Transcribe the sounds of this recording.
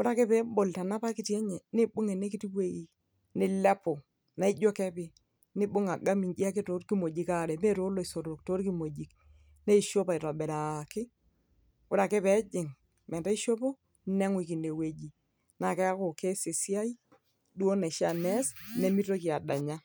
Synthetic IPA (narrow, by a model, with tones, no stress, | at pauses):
ʊ˦ɾa˦kɪ˦pɛ˦bo˨lta˨na˦pa˦ki˦tɛ˦ɲɛ˨nɪ˦bʊ˦ŋe˨ne˦ki˦ti˦pe˦i˨ | nɪ˦lɛ˦po˨ | na˦i˦d͡ʒo˦kɛ˦pɪ˦˨ | nɪ˦bʊ˦ŋa˨ɡa˦mi˨nd͡ʒi˦a˦kɪ˦to˨˦ɾki˦mo˨d͡ʒi˨ka˦˨ɾɛ˨me˦ɾo˦lo˨i˨so˨ɾo˨k̚to˦ɾki˦mo˨d͡ʒi˨k | ne˦i˦ʃo˦pa˨ɪ˨tɔ˨bɛ˨ɾa˨kɪ˦ | ʊ˦ɾa˨ke˦pɛ˨˦d͡ʒɪ˨ŋ | mɛ˨nta˦i˦ʃo˦po˦ | nɛ˦ŋwi˨ki˨ne˨we˨d͡ʒi˨ | na˨kɛ˦a˦ko˨ke˦se˨si˦a˦i˦ | du˦o˦nɛ˨ʃa˦˨nɛ˦sne˦mi˦to˦ki˨a˨da˨ɲa˦